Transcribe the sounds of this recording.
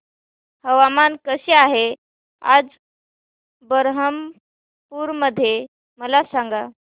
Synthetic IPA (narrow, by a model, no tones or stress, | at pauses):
həʋamankəɕeaɦe | a̰d͡z | bəɾɦəm | puːɾməd̪ʱːje | məlasaŋɡa